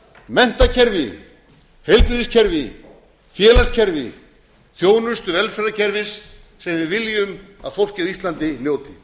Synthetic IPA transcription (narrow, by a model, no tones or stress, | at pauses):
mɛn̥t̪acʰɛɾvɪ̰ | hejlpɾʏðɪscʰɛɾvɪ | fjɛːlascʰɛɾvɪ̰ | θjoːwnʏst̪ʏvɛlfɛɾðacʰɛɾvɪsː | ɛmvɪvɪljʏma̰ðfowl̥cɪist̪lant̪ɪnjoːwt̪ɪ